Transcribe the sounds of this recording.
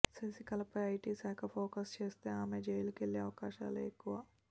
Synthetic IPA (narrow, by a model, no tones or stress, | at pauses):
sesikɐlɐpɐaːʈisɐjkapʰoːkɐst͡ʃeːst̪eaːmed͡ʒeːlkeliɐʋkaːʃa̰ːleːkuʋaː